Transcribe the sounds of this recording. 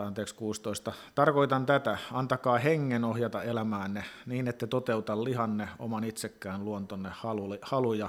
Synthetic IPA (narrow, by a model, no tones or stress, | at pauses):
ɑnt̪eːkskuːst̪oist̪ɑt̪ɑrkoit̪ɑnt̪æt̪æɑnt̪ɑkɑːheŋːenohjɑt̪ɑelæmæːnːeniːnet̪ːæt̪ot̪eut̪ɑllihɑnːeo̰mɑnit̪sekːæːnluont̪onːehhɑlulhɑlujɑ